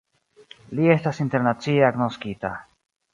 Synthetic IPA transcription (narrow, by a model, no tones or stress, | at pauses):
lie̞stasinte̞ɾnat͡sieaɡnoskita̰